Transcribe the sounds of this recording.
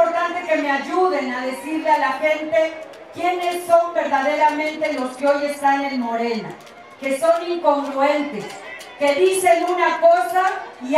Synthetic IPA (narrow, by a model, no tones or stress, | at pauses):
oɾt̪ant̪e̞ke̞meaʝuðe̞naðe̞siɾlealaxe̞nt̪e̞ | kje̞ne̞sːo̞mbe̞ɾðaðe̞ɾamẽ̞nt̪e̞lo̞skeo̞je̞st̪anẽ̞nmo̞ɾe̞na̰ | ke̞so̞niŋko̞ŋɡɾue̞nt̪e̞skeðise̞nunako̞sai